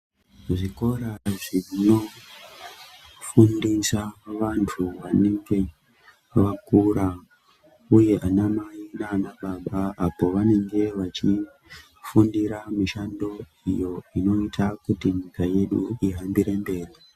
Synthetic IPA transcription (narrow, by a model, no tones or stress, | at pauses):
ʐiko̞ɾaʐiino̞ | fundisaʋantʰuʋaneŋɡe̞ | ʋakuɾa | uje̞ʔanamainaːnaɓaɓaːpo̞ʋane̞ŋɡe̞ʋat͡ʃi | fundiɾamiʃando̞ | ijo̞ino̞itʰakutiɲikaje̞ɗuiɦambiɾe̞mbe̞ːri